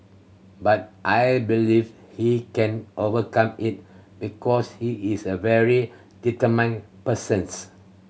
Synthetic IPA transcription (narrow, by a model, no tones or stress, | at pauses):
bat̚ʔajbiliv | hikɛ̃nʔovəkãmit̚b̥ikʰɔshiːsəvɛɹi | d̥itəmãj̃ŋpəsə̃ns